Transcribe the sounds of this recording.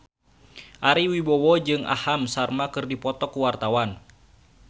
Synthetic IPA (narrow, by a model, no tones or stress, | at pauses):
ʔaɾiwibɔwɔd͡ʒɨŋʔa̰hamsarmakɨrdipɔt̪ɔkuwart̪awan